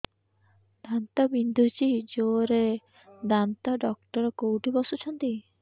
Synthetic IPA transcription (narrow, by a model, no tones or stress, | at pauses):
d̪ant̪ɔbind̪ʱut͡ʃid͡ʒoɾe | d̪ant̪ɔɖɔk̚ʈɔɾɔkowʈibɔsut͡ʃʰɔnt̪i